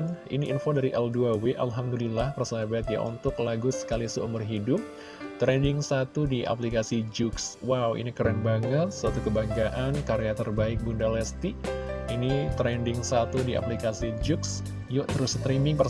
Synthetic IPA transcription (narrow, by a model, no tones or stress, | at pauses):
nḭniʔːnfodaɾiʔɛlduaweʔa̰lɦamdulilahpərsaɦabat̪̚ja̰ʔṵnt̪ʊklaɡusə̥kalisəumʊrɦidʊp̚ | t̪ɾɛndɪŋsat̪udiʔa̰plikasid͡ʒʊkswawḭnikəɾɛnbaŋət̪̚suat̪ukəbaŋɡaʔankaɾeat̪ərbaɪk̚bundalɛst̪iinit̪ɾɛndɪŋsat̪udiʔa̰plikasid͡ʒuks | jɔʔt̪əɾʊst̪ɾimɪŋpə